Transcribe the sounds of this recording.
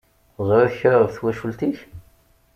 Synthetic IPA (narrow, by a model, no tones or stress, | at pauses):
zˤɾæçəɾəvθwæʃult̪iç